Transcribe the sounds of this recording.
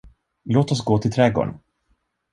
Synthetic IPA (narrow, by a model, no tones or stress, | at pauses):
loːt̪ɔs̬ɡoːt̪ʰɪlt̪ʰɾɛɡo̰ːɳ